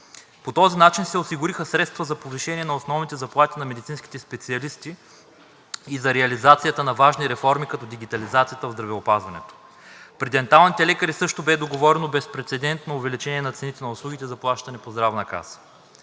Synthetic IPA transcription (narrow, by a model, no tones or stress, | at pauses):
pot̪ɔzinat͡ʃinsɛosiɡʊɾixəsɾɛt̪st̪vɐzɐpoviʃɛniɛnɐosnɔvnit̪ɛzɐplˠat̪inɐmɛd̪it̪sinskʲi̥t̪ɛspɛt̪siɐlist̪i | izɐɾɛɐlizat̪sijət̪ənɐvaʒniɾɛfɔɾmikɐt̪ɔd̪iɡ̟ʲit̪ɐlizat̪sijət̪əvzd̪ɾɐvɛopazvɐnɛt̪o̥ | pɾɛd̪ɛnt̪alˠnit̪ɛlɛkəɾisɤʃt̪obɛd̪oɡovɔɾɛnobɛspɾɛt̪sɛd̪ɛnt̪nɐʊvɛlit͡ʃɛniɛnɐt̪sɛnit̪ɛnɐʊslˠuɡ̟ʲit̪ɛzɐplˠaʃt̪ɐnɛpozd̪ɾavnɐka̰sə̥